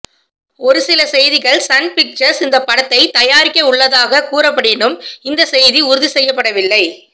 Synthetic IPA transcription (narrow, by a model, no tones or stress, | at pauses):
ɔɾɯsɪlɐsɛjðɪɣɐɭsɐnpɪk̚t͡ʃɐɾsɪnd̪ɐpːɐɽɐt̪ːɐɪt̪ɐjaːɾɪkːɐʊɭːɐðaːɣɐkuːɾɐpːɐɽenɯmɪnd̪ɐsɛjðiʊɾɯðisɛjːɐpːɐɽɐʋɪlːɐɪ